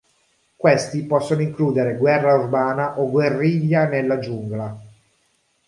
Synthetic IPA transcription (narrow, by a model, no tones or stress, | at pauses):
kwest̪ipɔsːonoiŋkluːd̪eɾeɡwɛrːaurbaːnaʔoɡwerːiʎːanelːad͡ʒuŋɡla